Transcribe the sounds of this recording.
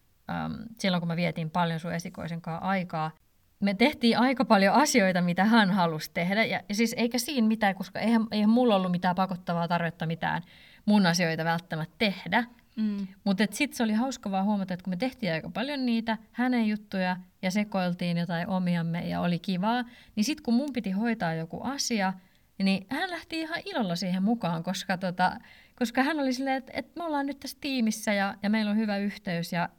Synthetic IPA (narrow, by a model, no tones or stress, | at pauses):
ə̰msilːoŋkumeʋieɛt̪iːmpɑljonsuesiko̰iseŋkɑːʔɑikɑː | met̪eht̪iːʔɑikɑpɑljoɑsioit̪ɑmit̪æhænhɑlust̪ehdæjɑjɑsiːseikæsiːnmit̪æːkoskɑ̰ʔeihæmeihæmmulːolːumit̪æːpɑkot̪ːɑʋɑːt̪ɑrʋet̪ːɑmit̪æ̰ːn | munɑsioit̪ɑʋælt̪ːæmæt̪t̪ehdæ | mut̪et̪sit̪seolihɑuskɑʋɑːhuomɑt̪ɑet̪kumet̪eht̪iːɑikɑpɑljonniːt̪æhænejjut̪ːujɑjɑsekoilt̪iːnjot̪ɑiʔomiɑmːḛjɑ̰o̰likiʋɑːnisit̪kummumpit̪ihoit̪ɑːjjokṵʔɑsiɑ | nihænlæht̪iihɑʔilolːɑsiːhemmukɑːŋkoskɑt̪ot̪ɑ̰koskɑhænolisilːeːet̪ḛt̪meolːɑːnnyt̪t̪æst̪iːmisːæjɑjɑmeilːolhyʋæyht̪eysjɑ